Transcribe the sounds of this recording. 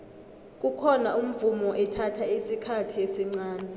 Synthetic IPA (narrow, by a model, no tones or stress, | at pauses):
k̬ʼukʰɔnaum̩vumɔʔɛtʰatʰaisikʰatʰiesiŋ͡ǀaːnɛ